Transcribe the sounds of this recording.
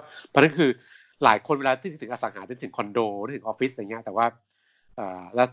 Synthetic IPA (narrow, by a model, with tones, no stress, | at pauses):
pʰɔ˧˦na˦˥nkʰɯː˧ | laː˨˩˦jkʰo˧nweː˧laː˧i˥˧˨ɯ˩˦ŋʔːsa˩˦ŋhaː˩˦t̪ːt̪ʰɯ˩˦kʰɔ˧ndoː˧˥˩t̪ʰɯ˩˦ʔɔː˧fi˦˥sʔa˧ŋi˦˥ɐ˩t̪ɛː˨˩waː˥˩ | ʔɤː˨˩lɛː˦˥˩